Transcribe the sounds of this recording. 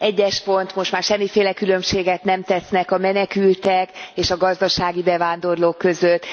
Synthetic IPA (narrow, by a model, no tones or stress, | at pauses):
ɛɟːɛʃpo̞nt̪mo̞ʃt̪maːrʃɛmːifeːlɛkylø̞mʃeːɡɛt̪nɛmt̪ɛsnɛkɒmɛnɛkylt̪ɛkeːʃɒɡɒzd̪ɒʃaːɡibɛvaːnd̪o̞rloːkːø̞zøt̪ː